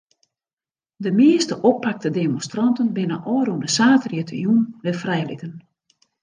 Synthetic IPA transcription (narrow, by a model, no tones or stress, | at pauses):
dəmɪːəstəʔopːak̚tədemonstrɑntənbɪnəʔɔːɾundəsaːtrjətʰə̰junʋɪfrɛjlɪtən